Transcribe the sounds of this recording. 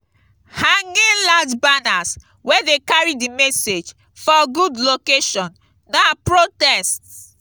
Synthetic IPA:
hãŋɡĩlad͡ʒbanas | wɛdekaɹidimɛsed͡ʒ | fɔɡudlokeʃɔ̃n | napɹotɛst

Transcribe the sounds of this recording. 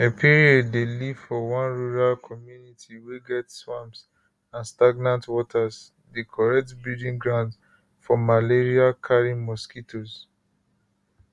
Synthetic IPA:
epʰiɹiɔddelivfɔwãnɹuɹalkʰɔmjunitʰiweɡɛtswãms | ãnstaɡnãntwɔtʰas | dekʰɔɹɛk̚tbildĩŋɡɹãʊ̃nd | fɔmaleɹiakʰaɹĩmɔskitʰos

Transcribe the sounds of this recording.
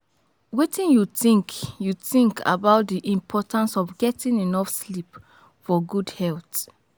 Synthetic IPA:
wetʰĩnjuθĩŋkʰjuθĩŋkʰa̰baʊt̚ðiʔĩmpʰɔtãnsɔvɡɛtĩninɔfslip | fɔɡudhɛlˠt

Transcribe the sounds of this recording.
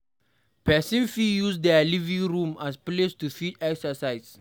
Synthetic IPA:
pɛsĩnfijusdɛlivĩŋɹũmasplestufitɛksəsajs

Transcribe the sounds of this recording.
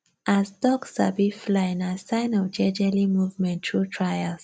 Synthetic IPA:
azdɔksabiflãnasãɪ̃nɔvd͡ʒɛd͡ʒɛlimuvmɛ̃ntʰɹutʰɹajals

